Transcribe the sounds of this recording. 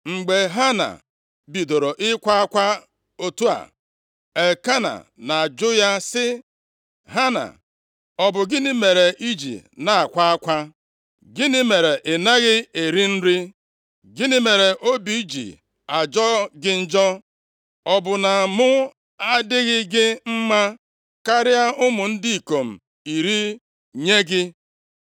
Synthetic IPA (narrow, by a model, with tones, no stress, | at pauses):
ŋ͡m̩˨ɡ͡be˨ɦa˦na̰˨ | bi˨do˨ɾo˨ʔɪ˦kʷa˦a˦kʷa˦ | o˨tu˦a̰˨ | e˨ka˦na̰˨na˨d͡ʒʊ˦ja˦sɪ˦ | ɦa˦na̰˨ | ɔ˦bʊ˨ɡɪ˦nɪ˦me˨ɾe˨ʔi˦d͡ʒḭ˨na˨a˨kʷa˦a˦kʷa˦ | ɡɪ˦nɪ˦me˨ɾe˨ʔɪ˨na˦ɣɪ˦e˨ɾi˦n̩˦ɾi˦ | ɡɪ˦nɪ˦me˨ɾe˨ʔo˦bi˨i˦d͡ʒḭ˨ | a˨d͡ʒɔ˦ɡɪ˦n̩˦d͡ʒɔ˦ | ɔ˨bʊ˨na˨mʊ˦ | a˦dɪ˦ɣɪ˦ɡɪ˦m̩˦ma˦ | ka˦ɾɪ˦a˦ʔʊ˦mʊ˨n̩˦di˦i˨ko˨m̩˨ | i˨ɾi˦ | ɲe˦ɡɪ˦